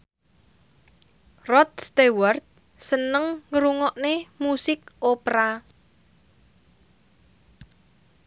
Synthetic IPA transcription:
rɔt̪̚st̪ewart̪̚ | sənəŋːəɾuŋɔʔnemusɪk̚ʔopɾa

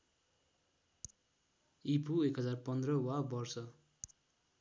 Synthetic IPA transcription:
ipʰuekɦʌd͡zarpʌnd̪rʌwabʌrsʌ

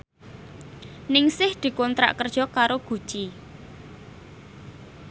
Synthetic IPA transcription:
nɪŋsɪhd̪̥i̤kɔnt̪ɾa̰ʔkərd̥ʒ̥ɔ̤kaɾoɡ̥ṳ̥ʒ̥i

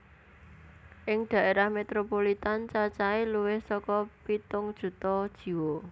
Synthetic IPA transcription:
ʔɪŋd̪̥ä̤ʔeɾahmet̪ɾopolit̪ant͡ʃat͡ʃailuwɪhsɔkɔpit̪ʊŋd̥ʒ̥ṳt̪ɔd̥ʒ̥i̤wo

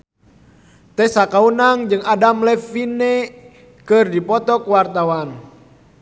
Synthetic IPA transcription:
t̪ɛsakaunaŋd͡ʒɨŋadamlɛfinɛ | kɨrdipɔt̪ɔkwart̪awan

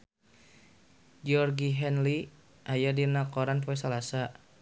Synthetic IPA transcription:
d͡ʒiɔrɡiɦɛnli | ʔajadinakɔɾanpɔɛsalasa

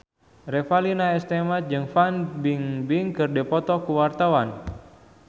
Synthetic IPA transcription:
rɛfalinaɛst̪ɛmat̪̚d͡ʒɨŋfanbiŋbiŋkɨrdɛpɔt̪ɔkuwart̪awan

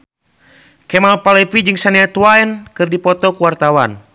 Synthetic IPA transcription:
kɛmalpalɛpid͡ʒɨŋsaniat̪uwaɛnkɨrdipɔt̪ɔkuwart̪awan

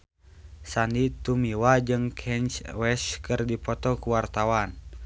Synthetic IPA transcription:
sandit̪umiwad͡ʒɨŋkʰɛnt͡ʃwɛskɨrdipɔt̪ɔkuwart̪awan

